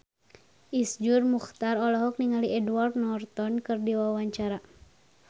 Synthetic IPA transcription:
ʔisd͡ʒurmuxt̪arɔlɔɦɔk̚niŋaliʔɛduward̪̚nɔrt̪ɔnkɨrdiwawaɲt͡ʃaɾa

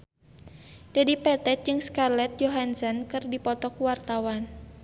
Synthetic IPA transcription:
d̥adipɛt̪ɛt̪̚d͡ʒɨŋskarlɛt̪̚joɦansɔnkɨrdipɔt̪ɔkuwart̪awan

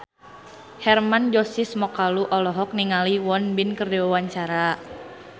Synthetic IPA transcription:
hɛrmand͡ʒɔsismɔkaluʔɔlɔɦɔk̚niŋaliwɔnbinkərdɛwawaɲt͡ʃaɾa

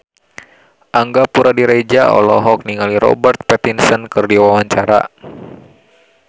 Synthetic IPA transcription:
ʔaŋɡapuɾadiɾed͡ʒaɔ̰lɔ̰ɦɔk̚niŋaliɾɔ̰bərt̪̚pɛt̪insənkɨrdiwawaɲt͡ʃaɾa̰

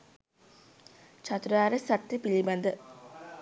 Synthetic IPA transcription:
t͡ʃat̪uɾaːɾəsat̪ːepilibɐnd̪ə

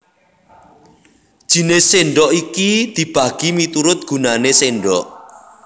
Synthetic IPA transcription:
d̥ʒ̥i̤neseɳɖɔʔikid̪̥i̤b̥a̤ɡ̥imit̪uɾʊt̪̚ɡ̥ṳnaneseɳɖɔʔ

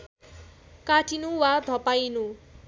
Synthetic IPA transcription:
kaʈʰinuwad̪ʱʌpajnu

